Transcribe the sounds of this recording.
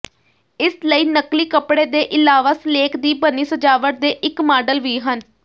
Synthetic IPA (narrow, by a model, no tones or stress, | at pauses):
ɪsləiːnəkliːkəpɽeːd̪eːʔɪlaːʋaːsəleːkʰd̪iːbənːiːsəd͡ʒaːʋəɾd̪eːʔɪkmaːɖəlʋiːɦən